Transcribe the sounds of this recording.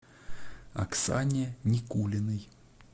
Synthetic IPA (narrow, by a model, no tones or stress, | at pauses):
ɐ̰ksanʲɪnʲɪkulʲɪnɨj